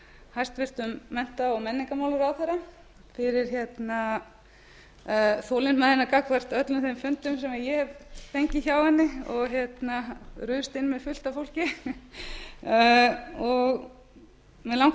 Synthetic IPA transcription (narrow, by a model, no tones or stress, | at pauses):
hajst̪vɪr̥t̪ʏmːɛn̥t̪aɔmɛnːɪŋkamaːwlʏɾawθɛɾa | fɪɾɪɾ̥çjɛt̪na | θoːlɪnmaðɪnakakvɛr̥t̪œt̪lʏmθejmfʏnt̪ʏmsɛmaðjɛhɛvθejɲcɪçawɛnːɪɔɣçjɛt̪naɾʏːst̪ɪnːmɛðfʏl̥t̪afowl̥cɪ | ɔɣ | mɛðlawŋ